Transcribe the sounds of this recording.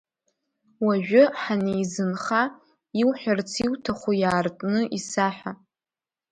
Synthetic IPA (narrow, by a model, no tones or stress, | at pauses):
waʒᶣʊħanejzɨnχa | iwħʷᶣart͡sʰiwtʰaχʷujaːrtʼnɨʔisaħʷᶣa